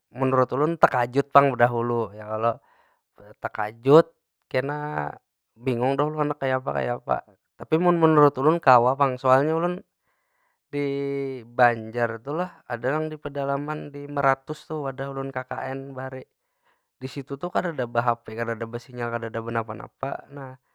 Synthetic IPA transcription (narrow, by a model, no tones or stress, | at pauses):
mənuɾʊt̪ulʊnt̪əkad͡ʒʊt̪̚paŋbədaɦulujakalo | t̪əka̰d͡ʒʊt̪̚ | kəna | biŋʊŋdaɦuluanakːajapa̰ka̰japa̰ | t̪apimʊnmənuɾʊt̪ulʊnkawapaŋsoalɲaulʊn | dibaɲd͡ʒart̪ulahadajaŋdipədalamandiməɾat̪ʊst̪uadaulʊnkaka̰ʔɛnbaɾi | disit̪ut̪ukadadabaɦapɛkadadabasiɲalkadadabənapana̰pa̰nah